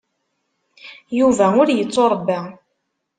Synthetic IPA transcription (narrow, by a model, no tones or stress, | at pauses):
juvæʊɾjət͡sːoɾˤbːæ